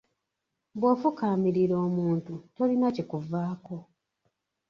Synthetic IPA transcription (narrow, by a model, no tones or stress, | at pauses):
bwoːfukaːmiɾiɾo̞ːmuːntuto̞linacikuvaːko̞